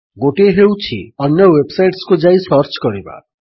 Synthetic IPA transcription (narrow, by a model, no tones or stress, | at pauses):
ɡoʈeɦewt͡ʃʰḭʌnjɔwebsajʈskod͡ʒajsʌɾt͡ʃkɔɾiba̰